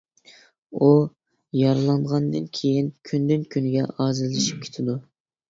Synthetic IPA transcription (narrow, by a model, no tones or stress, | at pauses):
u | jɑɾɨlˠɑɴʁɑnd̪ɨnkʲʰejinkʲʰynd̪ynkʲʰynɡʲɛɑːzɨzlːɪʃi̥p̚kʲʰe̥t̪ʰɪd̪u